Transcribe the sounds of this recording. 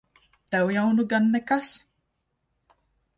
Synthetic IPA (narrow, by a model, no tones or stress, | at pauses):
t̪ɛwjawnuɡanːɛkas